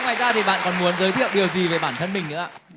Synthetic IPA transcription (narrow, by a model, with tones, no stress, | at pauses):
ŋ͡mwaː˨˩jzaː˧t̪ʰi˨˩ɓa̰ː˧˨nkɔ˨˩nmu˨˦ənzəː˨˦jt̪ʰḭ˧˨əwɗi˨˩əwzi˨˩ve˨˩ɓaː˧˩nt̪ʰə˧nmï˨˩ŋ̟nɨ̰˧˥a̰ː˧˩˨